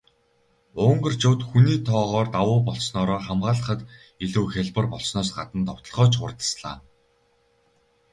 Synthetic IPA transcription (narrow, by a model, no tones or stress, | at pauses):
ʊŋɢə̆rt͡ɕʊwt̪xuniːt̪ʰɔːʁɔːrt̪awʊːpɔɮsnɔːɾɔːχamɢaːɮə̆χə̆t̪ | iɮŭːxʲæɮpə̆rpɔɮsnɔːsɢat̪ə̆nt̪ʰɔw̥t̪ɞ̆ɮʁɔːt͡ɕʰʊ̰rt̪ə̥̆sɮa̰ː